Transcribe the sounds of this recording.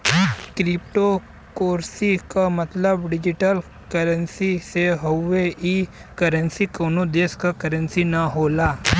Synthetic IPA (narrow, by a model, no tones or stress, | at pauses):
kɾip̚ʈo | koːɾsikamɐt̪ləbɖɪd͡ʒiʈəl | kɐɾənsiseɦoʋeikɐɾənsikoːnod̪eskakɐɾənsinɐɦoːlaː